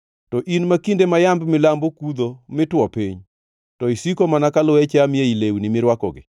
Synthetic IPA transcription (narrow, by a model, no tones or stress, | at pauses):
tɔʔinmakindemajambmɪlambokud̪omɪtwɔpiɲ | tɔisikomanakalɔet͡ʃamɪeilewnimɪɾwakɔɡɪ̰